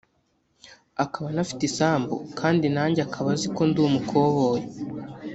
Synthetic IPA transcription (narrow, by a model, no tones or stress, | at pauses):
akaβanafi̥tisaːmbṵkʰaːndinaːɲɟeakʰaβaziko̞nduːmukʰoβoje